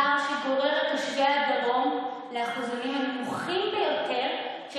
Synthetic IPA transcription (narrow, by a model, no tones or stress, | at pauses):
amʃeɡo̞ʁeʁetaʃɡad̪aʁo̞m | leaχuzanimhanmuχimbejo̞t̪ʰe̞ʁ | ʃ